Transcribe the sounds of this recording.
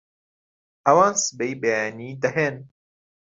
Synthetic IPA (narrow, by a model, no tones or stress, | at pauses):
ɐwãːnsɨbejbeaːniːd̪ɐɦeːn